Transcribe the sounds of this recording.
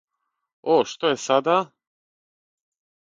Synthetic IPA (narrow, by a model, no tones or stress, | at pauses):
oʃt̪ojesad̪a